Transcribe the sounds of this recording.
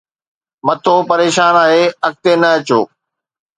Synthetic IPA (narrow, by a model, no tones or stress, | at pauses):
mɐt̪ʰoːpɐɾeːʃaːnaːɦeːɐk̚t̪enɐɐt͡ɕo̰ː